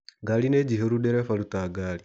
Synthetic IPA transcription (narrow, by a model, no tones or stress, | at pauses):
ɡalined͡ʒiɦeɾuɗɛɾɛfalutaɡaːli